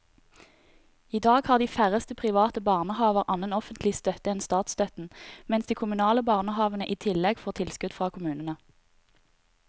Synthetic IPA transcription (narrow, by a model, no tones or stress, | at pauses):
iːd̪ɑːɡhɑːʁd̪iːfæʁəst̪əpʰʁɪʋɑːt̪əbɑːʁnəhɑːʋəʁʔɑnənɔfənt̪ʰlɪst̪œt̪əɛnst̪ɑːt̪st̪œt̪n̩mɛnsd̪iːkʰʊmʉnɑːləbɑːʁnəhɑːʋənəʔiːt̪ʰɪlɛɡfoːʁt̪ʰɪlskʉd̪fʁɑːkʰʊmʉːnənə